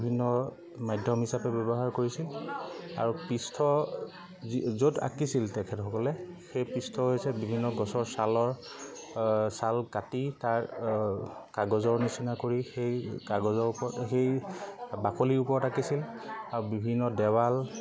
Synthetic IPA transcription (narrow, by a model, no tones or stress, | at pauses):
bʱinːɔ | majdʱjɔmɦisapɛbɔbɔɦaɹkoɹisila̰ɹupistʰɔ | izota̰kisiltɛkʰɛtxɔkɔlɛxejpistʰɔɦojsɛbibʱinːɔɡɔsɔɹsalɔɹ | salkatitaɹ | kaɡɔzɔɹnisinakoɹixejkaɡɔzɔɹpɔxejbakʰoliɹupɔɹɔtakisil | aɹubibʱinːɔdɛwal